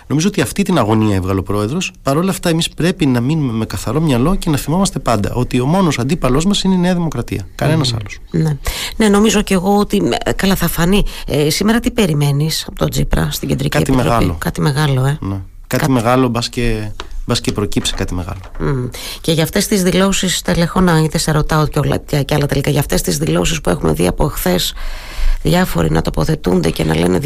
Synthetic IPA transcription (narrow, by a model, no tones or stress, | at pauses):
no̞mizoot̪iɐft̪it̪inɐɣo̞niɐevɣɐlo̞pɾo̞e̞ðɾo̞spɐɾo̞lɐːft̪ɐe̞mispɾe̞pinɐminume̞me̞kɐθɐɾo̞mɲɐlo̞ce̞nɐθimo̞mɐst̪epɐnd̪ɐ̰ʔo̞t̪io̞mo̞no̞sɐnd̪ipɐlo̞zmɐsineine̞ɐðimokɾɐt̪ḭɐkɐne̞nɐsɐ̰losnene̞no̞mizo̞ce̞ɣo̞ot̪ikɐlɐθɐfɐniesimeɾɐt̪ipe̞ɾime̞nisɐpot̪o̞d͡zḭpɾɐ̰st̪iɟed̪ɾḭcḭet̪iimeɾɐpilokɐt̪ime̞ɣɐlo̞e̞ne | kɐt̪imeɣɐlobɐscebɐscepɾo̞cipse̥kɐt̪imeɣɐ̰lo | ce̞ʝɐft̪e̞st̪izðilo̞sist̪e̞le̞fo̞nɐiðeseɾo̞t̪ɐotcolɐ̰ɐcɐlɐt̪e̞likaʝɐft̪e̞st̪izðilo̞sispue̞xumeðiɐ̰po̞exθe̞s | ðʝɐfo̞̰ɾḭnɐ̰t̪o̞po̞θe̞t̪und̪e̞ce̞nɐ̰le̞̰ne